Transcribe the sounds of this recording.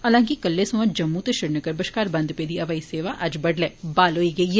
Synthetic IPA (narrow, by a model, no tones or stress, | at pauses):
ɐlãːŋkikɐlːesɐ̃ʋɐ̃d͡ʒɐmːut̪eʃɪɾnəkəɾbɐʃkaːɾbɐ̃nd̪peːd̪iɐʋaːiseːʋaʔɐd͡ʒbɐɖlɛːbaːloiɡeje